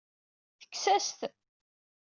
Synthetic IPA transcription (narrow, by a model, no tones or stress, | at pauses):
θə̥kːsæst̪